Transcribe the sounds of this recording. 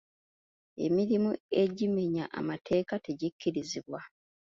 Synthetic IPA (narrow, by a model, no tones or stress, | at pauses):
e̞̰miɾimue̞ɟime̞ɲaʔa̰matʰe̞ːkate̞ɟikʰːiɾiziβwa